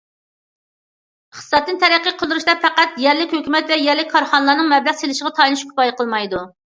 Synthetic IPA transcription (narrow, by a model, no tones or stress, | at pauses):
χsɑt̪ːɨnt̪ʰɛɾæqːiqʰəlˠd̪uɾuʃd̪ɛfʰæqæt̪jɛɾlɪkʲhøkʲymɛt̪vɛjɛɾlɪk̚ʲkʰːɑɾχɑnəlˠɑnɨŋmɛblæʁselɪʃəʁɑt̪ʰɑjlˠuʃkʰʊ̥pɑjqʰəlˠmɑjd̪u